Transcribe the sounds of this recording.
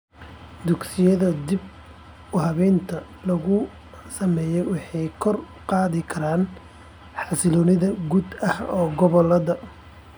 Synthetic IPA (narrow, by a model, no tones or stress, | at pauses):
d̪ʊɡsɪjɐðɐd̪ib̚ | ʊɦɐβɛːnt̪ʰɐ | lɐɣʊ | sɐmɛːjɛwɑħɑjkʰɔr | qɑːðɪkʰɐɾaːn | ħɑsɪlɔːnɪðɐɡuːd̪ɐhɔːɡɔβɔlɐðɐ